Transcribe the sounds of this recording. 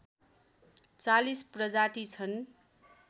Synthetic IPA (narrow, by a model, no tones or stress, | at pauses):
t͡salisprʌd͡zaʈit͡sʰʌn